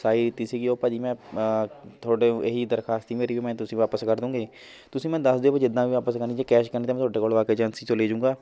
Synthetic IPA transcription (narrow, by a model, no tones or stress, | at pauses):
saːiːd̪ɪt̪ːiːsiːɡiːoːpəd͡ʒiːmɛ̃ː | t̪ʰoːɖẽːʔeɦiːd̪əɾkʰaːst̪iːmeːɾiːʋiːmɛ̃ːt̪ʊsĩːʋaːpəskəɾd̪ũːɡeː | t̪ʊsĩːmɛ̃ːd̪əsd̪ɪːpəd͡ʒɪd̪ãːʋiːʋaːpəskəɾniːd͡ʒeːkɛːʃkəɾniːt̪amɛ̃ːt̪ʰoːɖeːkoːlʋaːkeːt͡ʃənsiːt͡ʃoleːd͡ʒũːŋɡaː